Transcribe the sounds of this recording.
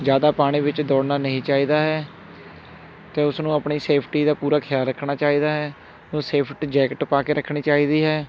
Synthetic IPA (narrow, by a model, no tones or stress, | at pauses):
d͡ʒjaːd̪aːpaːɽ̃ĩːʋɪt͡ʃd̪ɔːɽnaːnəɦĩːt͡ʃaːiːd̪aːɦɛː | t̪eːʊsnũːapɳiːseːpʰʈiːd̪aːpuːɾaːkʰɪjaːlɾəkʰːɽaːt͡ʃaːiːd̪aːɦɛː | ũːseːpʰʈd͡ʒɛːkʈpaːkeːɾəkʰːɽ̃iːt͡ʃaːiːd̪iːɦɛː